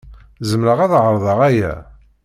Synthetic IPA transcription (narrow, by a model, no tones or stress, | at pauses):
zəmɾəʁæðʁəɾˤðˤɑʁæjæ̰